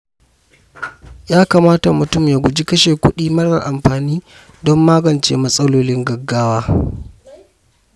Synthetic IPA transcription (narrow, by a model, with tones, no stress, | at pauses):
jaː˦kaː˨maː˦ta˨mʊ˨tʊ˦mjaː˨ɡʷʊ˨d͡ʒi˦kɐ˦ʃeː˨kʷʊ˦ɗiː˦mɐ˦rɐ̰˨ʔa˨mɸaː˨niː˦ | dɔ˦mːaː˦ɡɐ˨nt͡ʃḛː˨mɐ˦sʼɐ˦loː˦lɪ˦ŋɡɐ˨ɡːaː˦waː˦